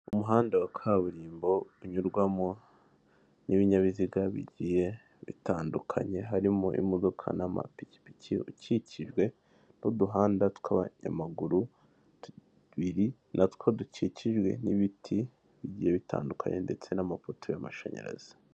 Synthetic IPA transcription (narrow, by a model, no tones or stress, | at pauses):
umuɦaːndawakʰaβuɾiːmbo̞uɲuɾɡwamo̞ | niβiɲaβiziɡaβḭɟije̞ | βḭtaːndukʰa̰ɲe̞ɦaɾimoʔḭmodo̞kʰa̰nama̰pici̥piciuciciʒɡwe̞ | noduɦaːndatu̥kʰaβa̰ɲa̰maɡuɾu | t | βiɾi | nʔatu̥kʰoduciciʒɡwe̞̰niβitʰi | βiɟije̞βitʰa̰ːndukʰa̰ɲe̞nde̞t͡se̞namafotʰo̞jama̰ʃa̰ɲḛɾa̰z̥i̥